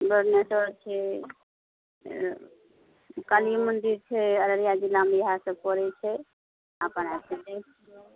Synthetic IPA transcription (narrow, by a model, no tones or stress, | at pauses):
bəɾnesət͡ʃʰɛ | kalimənd̪iɾt͡ʃʰɛəɾəɾijad͡ʒilːamejəɦãsə̃kɔɾɛt͡ʃʰɛ | apənat͡ʃʰɛt̪ɛ